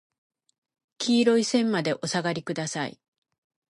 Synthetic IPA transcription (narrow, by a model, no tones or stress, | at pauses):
kʲʰiːɾo̞isẽ̞mmad̪e̞ʔo̞saɡaɾʲikɯ̟d̪asaḭ